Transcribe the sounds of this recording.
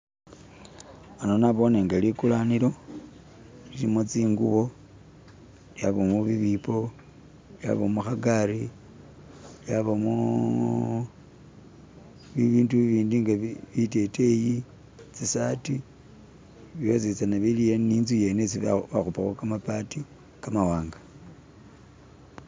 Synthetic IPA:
anonaβo̞neŋɡalikulaniɾo̞ | lilimot͡siːŋɡuβo̞ | jaβomuβiβipo | lja̰βomuxaɡaɾi | ljaβomu | βiβiːnduβiːndiŋɡaβite̞teji | t͡sisati | βjot͡sit͡sanaβilijeninzuje̞nesiβaxupaxokamapati | kamawaːŋɡḁ

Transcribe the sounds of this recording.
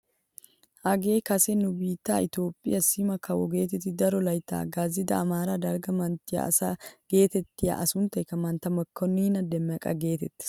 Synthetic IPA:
ʔɐɡe̞ːkɐsɛnʊbiːt̪ːaːɪt̪jo̞ːpʼːɪ̰jɐsɪmɐkɐwɔ̰ɡe̞ːt̪ɛt̪ːɪd̪ɐɾɔlɐjt̪a̰ːɡaːzɪd̪ɐːmaːɾaːd̪ɐɾɡɐmɐnt̪ːɪjɐ̰sɐɡ̥e̞ːt̪ɛt̪ːɪjɐ̰ʔɐsʊnt̪ɐkɐmɐnt̪ɐmɐkːɔnːɪɪnɐd̪ɛmːɐkʼɐ̰ɡe̞ːt̪ɛt̪ːɪ̥

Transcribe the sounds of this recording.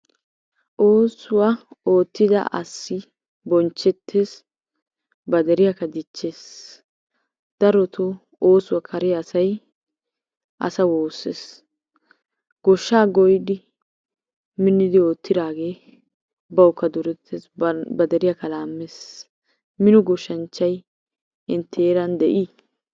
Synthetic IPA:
ʔoːsʊwao̞ːt̪ːɪd̪ɐ̰ʔɐ̰sːɪ | bɔnt͡ʃːɛt̪ːe̞ːs | bɐd̪ɛɾɪjakːɐd̪ɪt͡ʃːe̞ːs | d̪̥ɐɾɔt̪ʰo | oːsʊwɐkʰɐɾɪjɐːsɐj | ʔɐ̰sɐwo̞ːsːḛːs | ɡ̥ɔʃːaːɡɔjd̪ɪ | mɪnːɪd̪ɪoːt̪ːɪd̪aːɡe̞ː | bɐwkːɐd̪ʊɾɛt̪ʰːeːsbɐd̪ɛɾɪjakːɐlaːmːeːs | mɪnɔɡɔʃːɐnt͡ʃːɐj | ɪnt̪ʰːeːɾɐnd̪ɛʔiː

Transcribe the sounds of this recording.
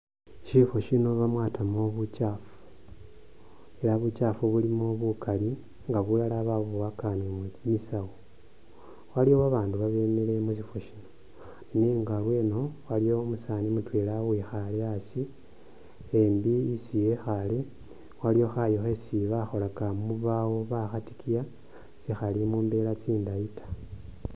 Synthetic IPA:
ʃifoʃino̞βamwaːtʰamoβucaːfu̥ | e̞laβut͡ʃaːfuβulimoβukali | ŋɡaβulalaβaβuwakanemmisawo | walijowaβaːnduβaβe̞mele̞musifoʃino | niŋɡalweːnowalijo̞ːmusanimutwelawixaleasi | embiːsijexali | walijo̞xajoxesiβaxo̞lakamuβawo̞βaxati̥kʰija | sixalimuːmbe̞lat͡siːndaitʰḁ

